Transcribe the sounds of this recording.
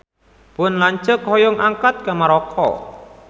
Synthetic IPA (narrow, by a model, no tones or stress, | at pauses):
pʊnlaɲt͡ʃʊkhɔjɔŋʔaŋkat̪̚kamaɾɔkʰɔ̰